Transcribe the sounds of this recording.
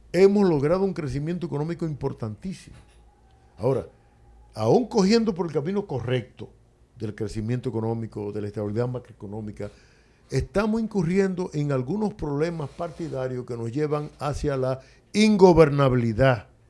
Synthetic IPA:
e̞mo̞slo̞ɣɾað̞ouŋkɾe̞simjent̪oekono̞mikoimpo̞ɾt̪ant̪isimo | ao̞ɾa̰ | auŋko̞xje̞nd̪o̞p̬o̞ɾe̞lkamĩno̞ko̞re̞k̚t̪o | ðe̞lkɾe̞simjent̪oe̞ko̞nõ̞mikoðelaest̪aβiliðamakɾoekonõ̞mika | est̪amosiŋkurje̞nd̪o̞ʔe̞ŋalɣuno̞spɾo̞βle̞maspaɾt̪iðaɾjo̞ske̞no̞sʝe̞βaŋasjala | iŋɡoβe̞ɾnaβiliða

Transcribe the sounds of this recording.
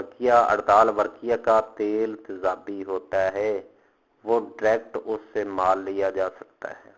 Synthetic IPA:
əɾkjaə̰ɽd̪aːlʋəɾkijakat̪eːlt̪ɪzaːbiɦoːt̪aɦɛ | ʋoːɖɪɾɛːk̚ʈʊsːemaːlːijad͡ʒaːsɐk̚t̪a̰ɦɛː

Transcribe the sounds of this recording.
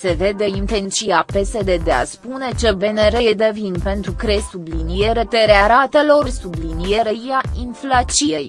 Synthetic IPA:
se̞ve̞d̪e̞int̪ent͡ʃiape̞sed̪e̞d̪e̞a̰spune̞t͡ʃe̞be̞neɾe̞jed̪e̞vinpe̞nt̪ɾukɾe̞sublinije̞ɾe̞t̪eɾeaɾat̪e̞lo̞rsublinije̞ɾeɾijainflat͡ʃije̞j

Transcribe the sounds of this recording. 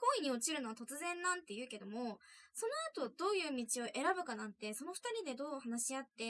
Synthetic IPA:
ko̞ːiɲ̟io̞t͡ɕiɾɯ̟no̞βat̪o̞t͡sɨzẽ̞nːãnt̪ːe̞jɯ̟ːke̞d̪o̞mo̞so̞no̞at̪o̞d̪̥o̞ːjɯ̟ːmʲit͡ɕio̞ʔe̞ɾabɯ̟kanãnt̪e̞so̞no̞ɸɯ̟̥t̪aɾʲid̪e̞d̪o̞ːhanaɕiat̪ːe̞

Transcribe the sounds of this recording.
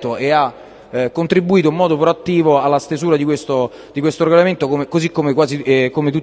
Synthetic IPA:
t̪oea | kːont̪ɾibːuiːt̪oimmɔːd̪opɾoat̪ːiːvoalːast̪ezuːɾad̪ikwest̪o | d̪ikwest̪oɾeɡolament̪okomekozikːomekwaːzikomet̪̬ut̪ː

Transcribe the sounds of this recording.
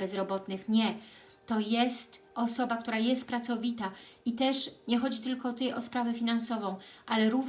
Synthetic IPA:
bɛzɾɔbɔt̪nɘxɲɛ | t̪ɔjɛst̪ɔsɔbakt̪uɾajɛst̪̚pɾat̪sɔvʲit̪ait̪ɛʂɲɛxɔd͡ʑit̪ɘlkɔt̪ut̪ɛjʔɔspɾavɛfʲinansɔvɔ̃w̃ʔalɛɾuv

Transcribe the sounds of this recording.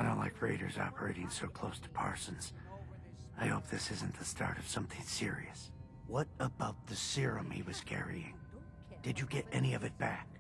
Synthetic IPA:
aɪdõʊ̃nʔla̰ɪkʰɹeɪɾə̰˞zɑ̰pə˞eɪɾɪ̃ŋsoʊkʰl̥oʊstʰə̥pʰɑ̰ɹsɨ̃nz̥ | aɪhoʊp̚ðɪsɪzɨ̃n̩ðɨstʰɑ̰ɹɾʌv̥sʌ̃mθɪ̃ŋsɪɹḭɨs | wʌɾəbaʊt̪̚ðɨsɪɹɨ̃mhiwʌz̥kʰɛ̰ɹḭɪ̰̃ŋ | d̥ɨd͡ʒɨɡɛɾɛniʌvɨt̚b̥æk̚

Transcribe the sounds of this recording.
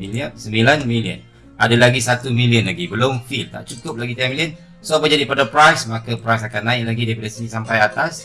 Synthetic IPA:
iliəsəmbilanmiliə̰n | adalaɡisat̪umiliənlaɡibəloŋfilt̪a̰ʔt͡ʃukʊp̚laɡit̪amiliən | soapəd͡ʒadipadapɾajsmakapɾajsakannãɪʔ̚laɡidaipadasinisampajat̪as

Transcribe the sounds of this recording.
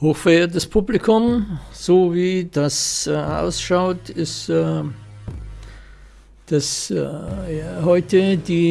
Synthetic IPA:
hoːxfɛeːɐt̬əspʰublɪkʰʊmz̥oːviːd̥asʔa̰ʊsʃaʊtɪstː | d̥as | hɔʏtəd̥iː

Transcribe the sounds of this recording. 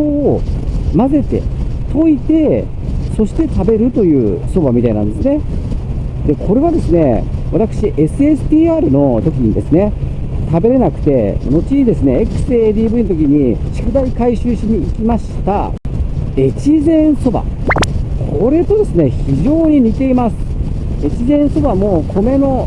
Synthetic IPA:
o | maze̞t̪e̞̰t̪ʰo̞it̪e̞ | so̞ɕi̥t̪e̞t̪abe̞ɾɯ̟t̪o̞jɯ̟ːso̞bamʲit̪ainãnd̪e̞sɨne̞ | d̪e̞kʰo̞ɾe̞β̞ad̪e̞sɨne̞βat̪akɯ̟ɕiʔe̞sɨe̞sɨ̥t̪ʲiːaːɾɯ̟no̞t̪o̞kʲiɲ̟id̪e̞sɨne̞ | t̪abe̞ɾe̞nakɯ̟̥t̪e̞no̞t͡ɕiid̪e̞sɨne̞ekɯ̟̥sɨeːd̪ʲiːbɯ̟inot̪okʲiɲ̟iɕi̥kɯ̟d̪aikaiɕɨːɕiɲ̟iːkʲimaɕi̥t̪a̰ | et͡ɕizẽ̞ɰ̃so̞ba̰ | kʰo̞ɾe̞t̪o̞d̪e̞sɨne̞çiʑo̞ːɲ̟iɲ̟it̪e̞imasɨ̥ | et͡ɕizẽ̞ɰ̃so̞bamo̞kʰo̞me̞no̞

